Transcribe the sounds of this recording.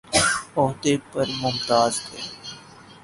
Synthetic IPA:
ɔːɦd̪epɐɾmʊmt̪aːzhɛː

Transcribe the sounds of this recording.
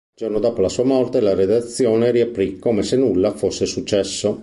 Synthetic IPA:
d͡ʒornod̪ɔːpolasuːamɔrt̪elared̪at̪sːjoːneɾiapɾikoːmesenulːafosːesut͡ʃːɛsːo

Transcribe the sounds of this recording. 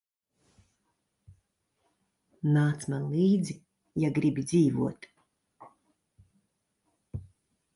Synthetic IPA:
naːt̪smanliːd̪zi | jaɡɾibid̪ziːvṵɔt̪

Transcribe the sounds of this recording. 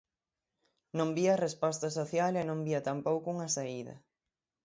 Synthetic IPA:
nõmbiɐrespɔst̪ɐsoθjalenõmbiɐt̪ampowkʊuŋɐsaiðɐ̰

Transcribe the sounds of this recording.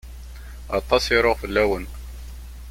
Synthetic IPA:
ɑt̪ˤːɑsiɾoʁfəlːæwən

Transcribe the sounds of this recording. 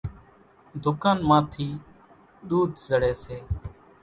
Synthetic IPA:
d̪ʱʊkãːnmaːt̪ʰiː | ɗ̪uːd̪zəɽeːseː

